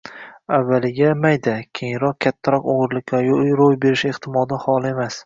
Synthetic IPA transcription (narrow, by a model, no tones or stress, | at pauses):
avːalɪɡʲamajd̪akʲʰejɪŋɾɒq̚kʲʰat̪ʰːaɾɒqoʁʊɾlɪkʲʰvajojɾojbe̞ɾɪʃeχt̪ʰɪmɒd̪ɪhɒlˠɪe̞mas